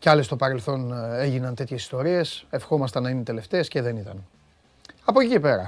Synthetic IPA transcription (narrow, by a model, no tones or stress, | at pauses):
ceɐlest̪opɐɾe̞lθo̞neʝinɐnt̪e̞t̪çe̞si̥st̪o̞ɾie̞se̞fxomɐst̪ɐnɐinet̪e̞le̞ft̪e̞ːsce̞ðe̞nit̪ɐn | ɐpo̞cicipe̞ɾɐ̰